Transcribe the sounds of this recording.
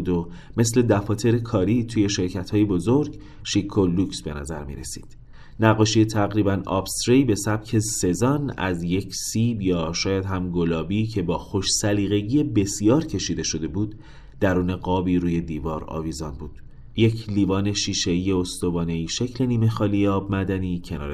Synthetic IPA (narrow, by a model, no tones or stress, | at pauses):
d̪ome̞sle̞d̪æfɒːt̪ʰe̞ɾekʰɒːɾiːt̪ʰuːje̞ʃe̞ɾcʰæt̪hɒːjebo̞zo̞ɾɟ | ʃikʰːolːuksbe̞næ̰zæɾmḭɾesi̥̰ːd̪̥ | næɣːɒːʃijet̪ʰæɣɾiːbænɒ̰ːbst̪ɾeibe̞sæb̥̚cʰe̞se̞zɒːnæ̰zje̞cʰsiːbjɒːʃɒːjæd̪ɦæmɡolɒːbiːcʰe̞bɒːxo̞ʃsæliːɣe̞ɟiːje̞be̞sijɒːɾcʰe̞ʃiːd̪e̞ʃo̞d̪e̞buːd̪̥ː | æɾuːne̞ɡɒːbiːɾuːje̞d̪iːvɒːɾɒ̰ːviːzɒnbuːd̪̥ | je̞cʰliːvɒːne̞ʃiːʃe̞iːjeost̪ovɒːne̞iːʃe̞cʰle̞niːme̞xɒːliːjeɒːbmæd̪æniːcʰe̞nɒ̰ːɾ